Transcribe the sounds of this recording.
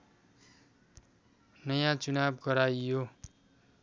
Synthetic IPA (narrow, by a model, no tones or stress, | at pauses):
nʌjãt͡sunabɡʌɾajjo